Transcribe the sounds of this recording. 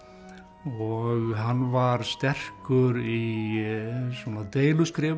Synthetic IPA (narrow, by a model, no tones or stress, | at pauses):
ɔɣɦanːvaɾst̪ɛr̥kʏɾi | svɔːnat̪eːjlʏskɾɪː